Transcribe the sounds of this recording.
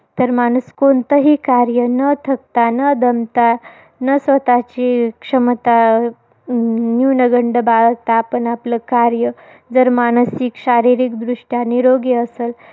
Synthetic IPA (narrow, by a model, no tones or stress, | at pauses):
t̪əɾmañuskont̪əɦiːkaɾjənət̪ʰək̚t̪anəd̪əmt̪a | nəsʋət̪at͡ɕikʂəmt̪a | njunəɡəɳɖəbaɭək̚t̪aːpəɳapləkaɾjə | d͡zəɾmanəsiːkɕaɾiɾikd̪ɾuʂʈjaniɾoɡeəsel